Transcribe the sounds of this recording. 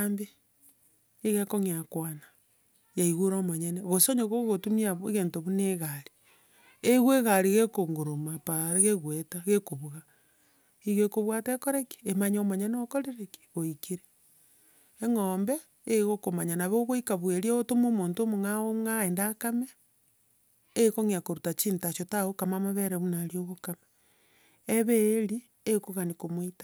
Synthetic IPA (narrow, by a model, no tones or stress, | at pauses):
mbe | eɣekoŋeakwana | jaiɣuɾomoɲeneɣosoɲoɣoɣotumiaβɣeːntoβuneɣaɾi̥ | eɣweɣaɾiɣekoŋɡoɾomapaɾeɣeɣwetaɣekoβuɣa | iɣekoβwatekoɾeki̥emaɲomaɲeneokoɾeɾeki̥ɣoikiɾe | eŋoːmbeː | ɣokomaɲanaβoɣoikaβweɾieotomomoːntomoŋaomŋaendakame | koŋiakoɾutat͡ʃinitaʃotaɣokamamaβeɾeβunaɾioɣokama | eβeɾi | ekoɣanikomwitḁ